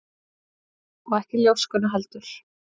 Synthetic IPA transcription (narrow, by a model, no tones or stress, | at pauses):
ɔɛhcɪljowskʏnaɦalt̪ʏɾ̥